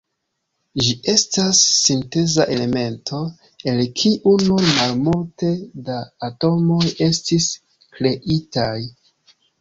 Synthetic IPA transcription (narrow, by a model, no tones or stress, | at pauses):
d͡ʒiʔe̞stasːinte̞zaʔe̞le̞me̞ntʰo̞ | e̞lkʰiʔununmalmulte̞daːto̞mo̞je̞stis | kɾe̞ʔitaj